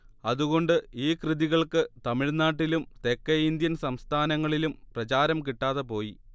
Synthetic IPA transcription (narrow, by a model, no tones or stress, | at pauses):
ɐðuɣo̞ɳɖɨiːkrɨðiɣɐɭkɨt̪ɐmiɻnaːʈːilumt̪e̞kːɐind̪jɐnsɐmst̪ʰaːnɐŋːɐɭilumprɐt͡ɕaːɾɐmkiʈːaːðɐpo̞ːji